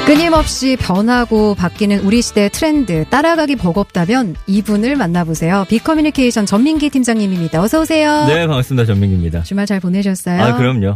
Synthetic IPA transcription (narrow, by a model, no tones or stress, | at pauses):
k͈ɯɲimʌp̚ɕ͈ipjʌnɦaɡopak͈inɯnuɾiɕʰide̞tʰɯɾe̞ndɯt͈aɾaɡaɡipʌɡʌp̚t͈amjʌnibunɯɭmanːabosʰe̞jopikʰʌmjunikʰe̞iɕʰʌnt͡ɕʌmːiŋɡitʰimd͡ʑaŋɲimimɲidaosʰʌusʰe̞jonemaks͈ɯmdat͡ɕʌmːiŋɡimɲidat͡ɕumaɭt͡ɕaɭpone̞ɕ̬ʰʌs͈ʌjakɯɾʌmɲo